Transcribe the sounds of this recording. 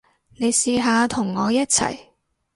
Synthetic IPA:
ne˨˧jsiː˧ɦaː˨˧t̪ʰʊ˨˩ŋːɔː˨˧jɐ˥t̚t͡sʰɐ̰˨˩j

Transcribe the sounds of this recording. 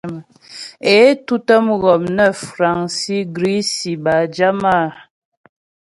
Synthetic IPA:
m˨ | e˨˦tu˦tə˦mɣɔ˨mnə˦fɾa˨ŋsi˦ɡɾi˦si˨ba˨d͡ʒa˦ma˦˨

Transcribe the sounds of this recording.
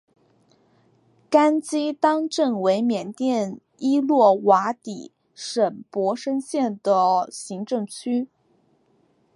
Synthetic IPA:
ka˥nt͡ɕi˥t̪ɑ˥ŋʈ͡ʂɤ˥˩ŋwe˧˥ɪmjɛ˨˩nt̪jɛ˥˩n | i˥lwɔ˥˩wa˧˥t̪i˨˩ | ʂə˨˩npwɔ˧˥ʂə˥nɕjɛ˥˩nd̪ə˩ɕi˧˥ŋʈ͡ʂɤ˥˧ŋt͡ɕʰy˥

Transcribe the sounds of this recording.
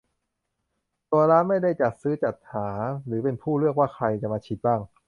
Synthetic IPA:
t̪u˧ɐɾaː˦˥nma˥˩jda˥˩jt͡ɕa˨˩t̪̚sɯː˦˥t͡ɕa˨˩t̪̚haː˩˦ɾɯː˩˦pe˧npʰuː˥˩ɾɯ˥˩ək̚waː˥˩xʰɾa˧jt͡ɕa˨˩ʔmaː˧t͡ɕʰi˨˦˥t̪̚baː˥˩ŋ

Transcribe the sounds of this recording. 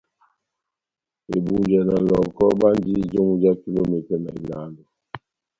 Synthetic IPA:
e˨bu˨d͡ʒɛ˨na˨lɔ˨kɔ˦ba˦nd͡ʒi˦d͡ʒo˦ŋu˦d͡ʒa˦ki˦lo˦mi˨tɛ˨na̰˨i˨la˨˦ndu˨

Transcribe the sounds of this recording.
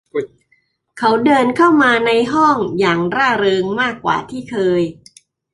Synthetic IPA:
kʰa˦˥wdɤː˧nkʰa˥˩wmaː˧na˧jɦɔ˥˩ŋjaː˨˩ŋɾaː˥˩ɾɤː˧ŋmaː˥˩kːwa̰ː˨˩t̪ʰiː˥˩kʰɤː˧j

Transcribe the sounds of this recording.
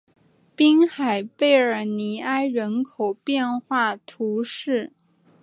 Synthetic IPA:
pi˥ŋxa˨˩ɪpe˥˩ɪə˞˨˩ni˧˥a˥ɪɻə˧˥nkʰo˨˩ʊpjɛ˥˧nxwa˥˩t̪ʰu˧˥ʂɻ̩˥˩

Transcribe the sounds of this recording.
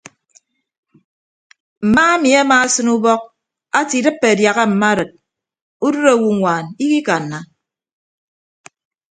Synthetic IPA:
m̩˨maː˦a˦mi˨a˦maː˦sɨ˦nu˦bɔ˦k̚ | a˦ti˨dɨ˦pːe˨a˨dja˨ɣa˦m̩˨ma˦ɾɨ˨t̚ | u˦du˦ɾa˨wu˦ŋʷaː˨ni˦ki˦ka˨nːa˨

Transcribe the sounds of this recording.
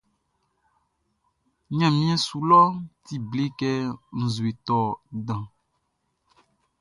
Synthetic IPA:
ɲã˨mĩ˦ɛ̃˦su˨lɔ˦t̪i˦ble˦kɛ˦ŋ̩̃˨zu˨e˨t̪ɔ˦dã˨

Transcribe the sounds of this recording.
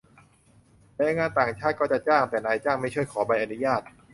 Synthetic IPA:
na˧˦a˧˩ŋaː˧nt̪aː˨˩ŋt͡ɕʰaː˥˩t̪̚kɔː˥˩t͡ɕa˨˩t͡ɕaː˥˩ŋt̪ɛː˨˩naː˧jt͡ɕaː˥˩ŋma˥˩t͡ɕʰu˥˩əjkʰɔː˩˦ba˧jʔa˨˧nu˦˥jaː˥˩t̪̚

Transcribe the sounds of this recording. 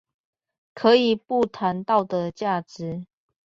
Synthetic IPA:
kʰɤ˨˦i˨˩pu˥˨t̪ʰa˨˦nt̪ɑ˥˨ʊd̪ə˨t͡ɕja˥˩ʈ͡ʂɻ̩˨˦

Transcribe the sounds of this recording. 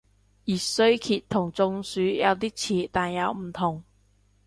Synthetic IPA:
jiː˨˩sɵ˧˥ɥkʰiː˨˩t̪ʰːʊ˨˩ŋt͡sʊ˧ŋsyː˨˥jɐ˨˧wt̪iː˥t͡sʰiː˨˩t̪aː˨njɐ˨˧wm̩˨˩t̪ʰʊ˨˩ŋ

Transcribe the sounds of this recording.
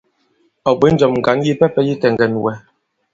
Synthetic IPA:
ɔ˨bə˨˦n̩˦d͡ʒɔ˨mŋ̩˨ɡa˨˦nji˦pɛ˦pɛ˦ji˦tɛ˨ŋ˨ɡɛ˨n˨wɛ˨˦

